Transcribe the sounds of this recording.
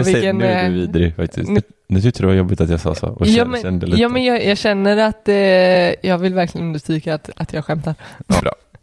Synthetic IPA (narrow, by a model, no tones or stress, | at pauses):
vɪɛɛnʉviːd̪ɾɪfa̰k̚t̪ɪ̰st̪n | nʉːt̪ʏk̚t̪əɾdɛvajɔbːɪt̪at̪jɑsɑ̰ːsɔ̰ɔaːmɛnd̪əlijɑːmɛnjɑjɑːɡɕɛnːəɾat̪ | jɑːɡvɪlvæɾklɪɡənɵnəst̪ɾyːkat̪at̪jɑːɡɧɛmt̪aɾ̰bɾɑ̰ː